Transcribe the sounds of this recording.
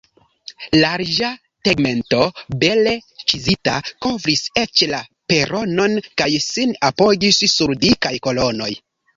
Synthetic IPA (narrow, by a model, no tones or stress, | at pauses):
laɾd͡ʒa | teɡme̞nto̞be̞let͡ʃizitakovɾiset͡ʃlape̞ɾo̞no̞nkajsinapo̞ɡissuɾdikajko̞lo̞no̞j